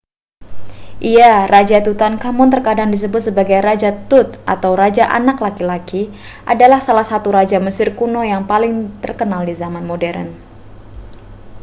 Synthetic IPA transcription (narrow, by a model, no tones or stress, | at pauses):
ʔiarad͡ʒat̪ut̪ankamɔnt̪ərkadaŋdis̬əbʊt̪̚səbaɡajɾad͡ʒat̪ʊt̪̚ʔa̰t̪awɾad͡ʒaʔa̰naklakilaki | ʔadalahsalahsat̪uɾad͡ʒaməsɪrkunojaŋpalɪŋt̪ərkənaldizamanmodɛɾə̰n